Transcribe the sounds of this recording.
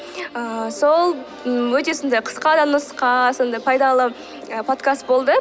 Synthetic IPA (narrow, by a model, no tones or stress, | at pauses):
əso̞lˠ | wɵt̪e̞so̞nd̪ɑjqʰə̥sqɑd̪ɑnəsqɑso̞nd̪ɑjpʰɑjd̪ɑlˠə | əpʰo̞t̪kast̪̚bo̞lˠd̪ə